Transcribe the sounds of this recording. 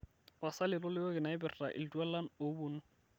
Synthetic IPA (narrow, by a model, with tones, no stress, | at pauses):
a˨sa˦lɪ˨lʊ˦lɪ˦ɔ˦kɪ˨na˨ɪ˦bɪ˨rra̰˨ʔɪ̰˨ldu˦ɛ˦la˦no˨˦bʊnʊ˦